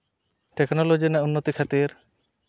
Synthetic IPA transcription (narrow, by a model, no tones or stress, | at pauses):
ʈeknolod͡ʑinaunːot̪ikʰat̪iɾ